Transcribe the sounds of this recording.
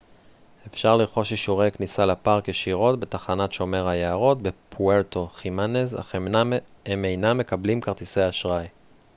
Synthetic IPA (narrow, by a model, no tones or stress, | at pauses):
e̞fʃaʁliʁχo̞ʃiʃuʁe̞jknisalapaʁkjeʃiʁo̞tbe̞t̪aχanatʃo̞me̞ʁhajeaʁo̞tbe̞pʰueʁto̞χimaneza̰ | emejnamːe̞kablimkaʁt̪isejaʃʁaj